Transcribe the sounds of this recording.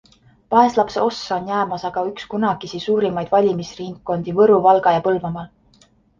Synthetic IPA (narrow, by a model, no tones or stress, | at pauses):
pɑe̞slɑpseo̞sːɑonjæːmɑsɑɡ̥ɑykskunɑɡ̥isisuːɾimɑjd̪̥vɑlʲimisriŋkːˑo̞nd̪̥ivɤɾuvɑlɡ̥ɑjɑpɤlvɑmɑl